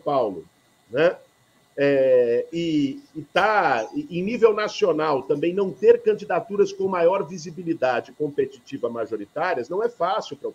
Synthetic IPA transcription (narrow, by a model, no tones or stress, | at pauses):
pawlʊ | nɛ | ɛɪːt̪aẽj̃nivewnasionawt̪ɐ̃mbẽj̃nɐ̃w̃t̪eɾkɐ̃d͡ʒid̪at̪uɾɐskõmajɔɾvizibilid̪ad͡ʒɪkõpet͡ʃit͡ʃivɐmaʒoɾit̪aɾiɐznɐ̃w̃ɛfasiwpɾɐ